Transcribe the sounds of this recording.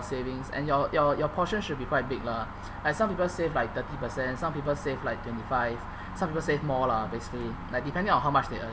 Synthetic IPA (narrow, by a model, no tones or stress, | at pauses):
sevɪ̃ŋsɛ̰̃njɔjɔjɔpʰɔʃə̃nʃud̚bikʰwaɪt̚bɪk̚la | laɪksãmpipəlsevlaɪk̚t̪ətipəsɛ̃nsãmpip̬əlsevlaɪk̚tʰwɛ̃ntifaɪv | sãmpipəlsevmɔlabesi̥kəlilaɪk̚dipɛ̃ndɪ̃ŋɔ̃nɦaʊmat͡ʃdeə